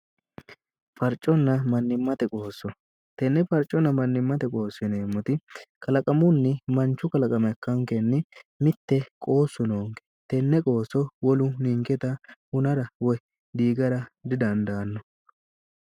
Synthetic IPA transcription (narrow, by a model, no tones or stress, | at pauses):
fɐɾt͡ʃʼːɔnːɐmɐnːɪmːɐt̪ɛkʼo̞ːsːɔ | t̪ɛnːɛfɐɾt͡ʃʼːɔnːɐmɐnːɪmːɐt̪ɛkʼo̞ːsːɪneːmːɔt̪ɪkɐlɐkʼɐmʊnːɪmɐnt͡ʃːʊkɐlɐkʼɐmɐkːɐŋkɛnːɪmɪt̪ːɛkʼo̞ːsːʊnoːŋkɛ̥t̪ɛnːɛkʼo̞ːsːɔwɔlʊniŋkɛt̪ɐhʊnɐɾɐwɔj | d̪iːɡɐɾɐd̪ɪd̪ɐnd̪ɐːnːɔ